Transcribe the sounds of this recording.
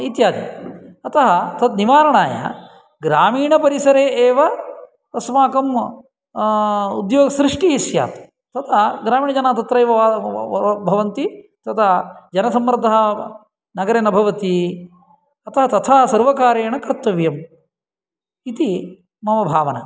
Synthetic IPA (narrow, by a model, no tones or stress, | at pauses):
it̪jaːd̪ḭɐt̪ɐɦɐt̪ɐt̪niʋaːɾɐɳaːjɐ̰ | ɡɾaːmiːɳɐpɐɾisɐɾeːʔeːʋɐ | t̪ɐsmaːkɐm | ud̪joːɡɐsɾiʂʈiisja̰ːt̪ | t̪ɐt̪ʰɐɡɾaːmiːɳɐd͡ʒɐnaːt̪ɐt̪ɾɐjʋɐʋ | bʱɐʋɐnt̪i | t̪ɐt̪ʰɐd͡ʒɐnɐsɐmːɾd̪ʱɐɦɐ | nɐɡɐɾɐnɐbʱɐʋɐt̪i | ɐt̪ɐɦɐt̪ɐt̪ʰɐːɐsɐɾʋɐkaːɾeːɳɐkɾt̪ːɐʋjɐm | it̪i | mɐʋɐbʱaːʋɐnɐ̰